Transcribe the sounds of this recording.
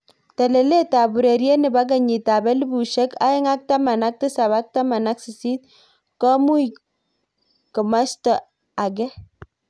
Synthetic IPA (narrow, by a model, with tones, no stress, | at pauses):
ta˨le˨le˦ta˨bu˨ɾe˨ɾje˦nɪ˨ba˦ɡ̬a˨ɲi˨ta˨bɛ˦li˦bu˨ʃe˦ka̰˦ɪ˦ŋa˦k̚ta˦ma˨na˦k̚tɪ˦sa˨ba˦k̚ta˦ma˨na˦ksi˨si˦t̚ | kɔ˦mu˦i | kə˨ma˦stɔ˨ | a˨ɡɛ˦